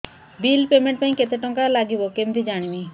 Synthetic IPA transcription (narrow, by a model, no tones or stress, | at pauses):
bilpemeɳʈpaj̃ket̪eʈɔŋkalaɡibokemd̪id͡ʑaɽ̃imi